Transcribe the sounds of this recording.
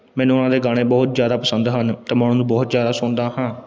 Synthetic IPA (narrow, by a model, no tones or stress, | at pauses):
mɛ̃ːnũʊnãːd̪eːɡaːɽ̃eːbɔːt̪zjaːd̪aːpəsənd̪ɦənt̪aːmaːɽ̃õːnũːbɔːt̪zjaːd̪aːsʊnd̪aːɦãː